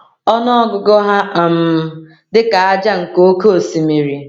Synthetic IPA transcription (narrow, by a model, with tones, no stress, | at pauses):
ɔ˦nɔ˦ɔ˦ɡʊ˨ɡɔ˦ɦa˦˨m̩˨ | dɪ˦ka˨a˦d͡ʒa˦ŋ̩˨ko˦o˦ko˦o˨si˨mi˨ɾi˨